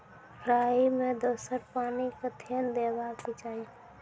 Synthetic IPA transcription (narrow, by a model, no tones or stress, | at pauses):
pʰɾaːimẽd̪oːsəɾpaːnikət̪ʰeːnd̪eːbakpit͡ʃaːi